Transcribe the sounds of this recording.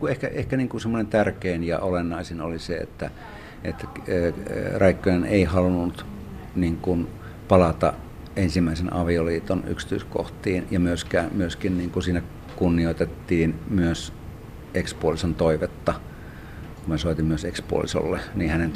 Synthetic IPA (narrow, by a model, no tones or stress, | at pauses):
kuehkæehkæniːŋkusemːonent̪ærkeinjɑ̰ʔolenːɑisenoliseḛt̪ːæ | ḛt̪ːæ | rɑikːojeneihɑlunut̪niːŋkun | pɑlɑt̪ɑ̰ʔ | ensimːˑæisenʔɑ̰ʋioliːt̪ony̰ksi̥t̪y̰isko̰ht̪iːnjɑmyøskæːmyøskinniːŋkusiːnæ | kunːioit̪et̪ːiːnmyøs | ekspuolisont̪oiʋet̪ːɑ | kumesoˑit̪immyøsekspṵo̰lḭso̰lːeniːhænen